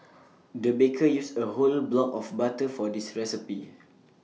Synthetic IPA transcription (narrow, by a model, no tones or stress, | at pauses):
dəbekʰəjusəɦolblɔkɔfbatəfɔdisɹɛsipi